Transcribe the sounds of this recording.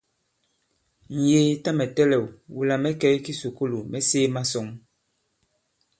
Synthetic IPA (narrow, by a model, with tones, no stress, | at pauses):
n̩˨jeː˨˦ta˦mɛ˨tɛ˦lɛ˨wwu˨la˨mɛ˦kɛ˦jki˦su˨ku˦lu˨mɛ˦seː˦ma˦sɔ˨ŋ